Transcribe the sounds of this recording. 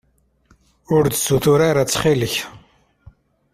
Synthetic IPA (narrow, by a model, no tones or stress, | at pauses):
ʊɾd̪suθʊɾaɾat͡sːχiləç